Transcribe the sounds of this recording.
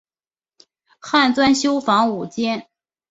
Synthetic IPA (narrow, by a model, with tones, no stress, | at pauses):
xa˥˩nt͡swa˥nɕjo˥ʊfɑ˧˥ŋu˨˩t͡ɕjɛ˥n